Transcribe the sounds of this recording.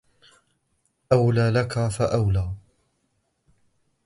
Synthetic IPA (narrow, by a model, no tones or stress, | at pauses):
ʔawlaːlakafaʔawlaː